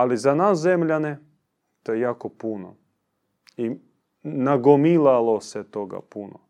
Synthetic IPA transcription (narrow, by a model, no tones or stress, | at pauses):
alizanaszemʎane | t̪ojejakopuno̰ | i | naɡomilalˠoset̪oɡa̰puno̰